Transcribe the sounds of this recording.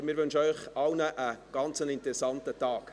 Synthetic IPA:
mɪɾʋɵnʃəœʏχɑwnəʔəɡ̥ɑnt͡sənɪntɾɛsɑntətɑːk

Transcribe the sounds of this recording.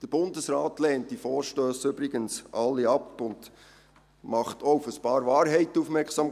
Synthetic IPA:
d̥əɾb̥ʊndəsrɑːtlɛːnt̚d̥ifɔːɾʃtøːsʏbɾɪɡənsʔɑlːiɑpʊnd̥ | mɑχtʰoʊfəspɑːɾvɑːɾɦɛɪtufmɛɾksɑm

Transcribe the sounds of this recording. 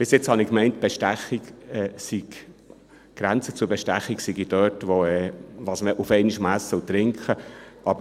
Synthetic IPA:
b̥ɪsjɪt͡shɑnɪkmɛɪntb̥ɛʃtæχiɡɛːsiɡ | ɡ̥ɾænt͡sət͡sʊɾbɛʃtæχːiksiɡid̥øːtʋoɛːʋɑsməʔufɛɪniʃmæsəʊt̪ɾɪŋkχəʔɑbə

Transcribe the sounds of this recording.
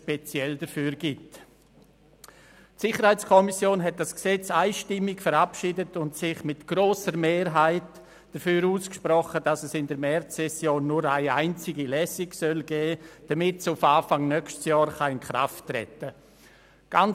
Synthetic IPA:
ʃpɛt͡sjɛldəfyːɾɡ̥it | tsɪχəɾhaɪt͡skʰɔmisjoːnɦɛt̚d̥asksɛt͡saɪʃtɪmːɪkfəɾapʃiːdətʊntsɪχmɪtɡ̥ɾoːsəɾmeːɾɦaɪt | d̥əfyːɾuːskʃpɾɔχədasɛsɪndəɾmɛɾt͡sːɛsjoːnːʊɾaɪaɪnt͡sɪɡilɛsɪɡsœlɡ̥ɛːd̥amɪtsufaːfaŋnœkʃtsjɔːɾχaɪnkɾa̰ftɾɛ̰tə | ɡ̥an

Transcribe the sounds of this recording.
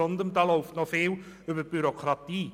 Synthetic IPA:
ɔndəmdalˠɔwftnɔfeːw | ɵbəbyɾɔkʰratiː

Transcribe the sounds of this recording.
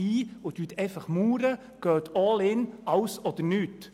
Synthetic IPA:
iːʊt̪yt̪ʰɛɪfɑχmuːɾə | ɡ̥œːt̪ʰɔːlɪnɑwsɔd̥̪əɾnyt̪

